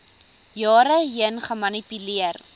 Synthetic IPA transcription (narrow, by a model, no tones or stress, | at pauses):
jɑːɾəɦiənχəmɐnipyliər